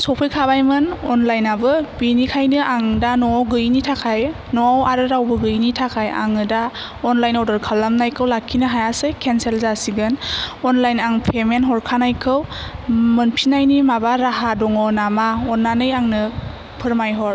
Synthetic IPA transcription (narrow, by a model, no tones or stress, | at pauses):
sɔpʰɯjkʰabajmɯnɔnlajnabɯbinikʰajnɯʔaŋdanɔɡɯjnitʰakʰaj | nɔawaɾɯɾawbɯɡɯjnitʰakʰaja̰ŋɯda | ɔnlajnɔdɔɾkʰalːamnajkʰɯwlakʰːinɯɦajasɯjkʰenselzasiɡɯnɔnlajnaŋpʰemenɦɔɾkʰanajkʰɯwmɯnpʰinajnimabaɾaɦadɔŋɔnamaɔnːanɯjaŋnɯ | pʰɯɾmajɦɔɾ